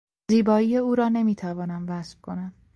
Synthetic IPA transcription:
ziːbɒːiːjeuːɾɒːne̞miːt̪ʰævɒːnæmvæsf̚kʰo̞næn

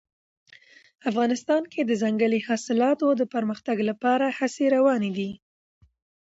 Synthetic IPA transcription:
afɣɑnɪst̪ɑnkʰed̪əzaŋɡəlihɑsɪlɑt̪od̪əpəɾməxt̪aɡlapɑɾahaseɾawɑned̪i

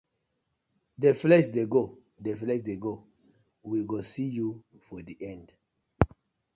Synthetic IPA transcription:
deflɛʃdeɡo | deflɛʃdeɡo | wiɡosiju | fɔdiʔɛ̃nd

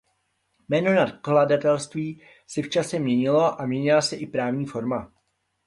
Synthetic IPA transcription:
mɛːno̞nat̪kladat̪ɛlst̪viː | sɛft͡ʃasɛmɲɛɲɪlo̞ʔamɲɛɲɪlasɛʔɪpɾaːvɲiːfo̞ɾma

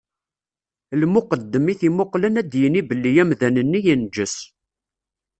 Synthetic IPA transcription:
lmʊqəd̪ːəmiθimʊqlənæd̪jənibəlːijæmðænənːijind͡ʒːəs

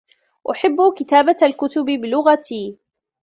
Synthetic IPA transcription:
ʔʊħɪbːkɪt̪aːbaalkʊt̪ʊbɪbɪlʊɣat̪iː

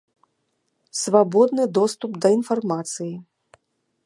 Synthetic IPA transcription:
svabɔd̪nɨd̪ɔst̪upd̪ɐinfarmat̪sɨji

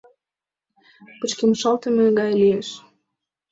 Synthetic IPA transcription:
pət͡ɕkeməʃɑlt̪əmeɡɑjlieʃ

